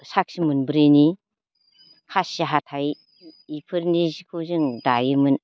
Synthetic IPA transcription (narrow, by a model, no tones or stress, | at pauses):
sak̚simunbɾɯni | kʰasiɦatʰaj | ipʰɯɾnizikʰɯzɯŋdajɯmɯn